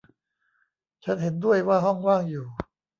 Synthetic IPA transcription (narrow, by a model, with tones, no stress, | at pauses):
t͡ɕʰa˦˥nɦe˩˦ndu˥˩əjwaː˥˩ɦɔ˥˩ŋwaː˥˩ŋjuː˨˩